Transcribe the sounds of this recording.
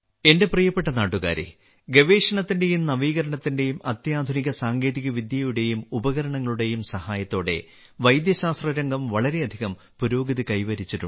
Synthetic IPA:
e̞nde̞prijɐpːe̞ʈːɐnaːʈːuɣa̰ːɾḛ | ɡeʋe̞ːʂɐɳɐt̪ːinde̞jumnɐʋiːɣɐɾɐɳɐt̪ːinde̞jumɐt̪jaːd̪ʱuniɣɐsaːŋɡe̞ːðiɣɐʋid̪jɐjuɽe̞jumubɐɣɐɾɐɳɐŋːɐɭuɽe̞jumsɐhaːjɐt̪ːo̞ːɽe̞̰ | ʋɐjd̪jɐɕaːst̪rɐɾɐŋɡɐmʋɐɭɐɾe̞ɐd̪ʱiɣɐm | puɾo̞ːɡɐðɨkɐjʋɐɾit͡ɕːiɾṵ

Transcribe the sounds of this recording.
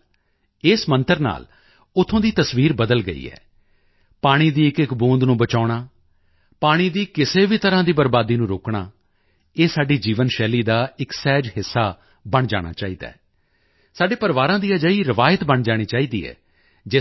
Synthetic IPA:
ɪːsmə̃nt̪əɾna̰ːl | ʊt̪ʰːõːd̪iːt̪əsʋiːɾbəd̪əlɡə̰ḭːɛ̰ː | paːɽ̃iːd̪iːɪkɪkbõːnd̪nũːbət͡ʃaːɽ̃aː | paːɽ̃iːd̪iːkɪseːʋiːt̪əɾãːd̪iːbəɾbaːd̪iːnũːɾoːkɳa̰ː | eːsaːɖiːd͡ʒiːʋənʃɛːliːd̪aːɪksɛːd͡ʒɦɪsːaː | bəɳd͡ʒa̰ːɽ̃a̰ːt͡ʃaːiːd̪a̰ːɛ | saːɖeːpəɾʋaːɾãːd̪iːad͡ʒaːiːɾɪʋaːjət̪bəɳd͡ʒaːɽ̃iːt͡ʃaːiːd̪ḭːɦɛ̰ː | d͡ʒeː

